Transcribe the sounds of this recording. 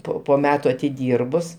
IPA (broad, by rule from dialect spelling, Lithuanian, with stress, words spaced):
ˈpoː poː ˈmʲæːtʊ ɐtʲɪˈdʲiːrbʊs